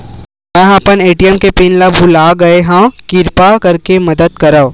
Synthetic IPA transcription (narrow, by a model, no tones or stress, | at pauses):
mɛ̃ɐpəneːʈijəmkepinlabʱulaːɡɐeɦãkɪɾpakɐɾkemɐd̪əd̪̚kɐɾa